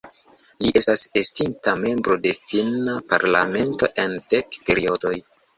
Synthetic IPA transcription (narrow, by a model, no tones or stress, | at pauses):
liʔe̞stasestintame̞mbɾo̞de̞finapa̰ɾla̰me̞nto̞̰ʔe̞ndekpe̞ɾio̞do̞j